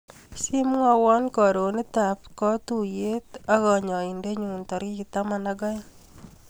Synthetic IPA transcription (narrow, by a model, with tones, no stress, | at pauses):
si˦m˦ŋɔ˦wɔ˦nkɔ˨ɾo˨ni˦ta˨pkɔ˦tu˨je˦t̪a˦ɣɔ˨ɲɔ˨i˨nde˦ɲu˨ntɔ˨ɾi˦ki˧t̪a˦manaɡɔ˦j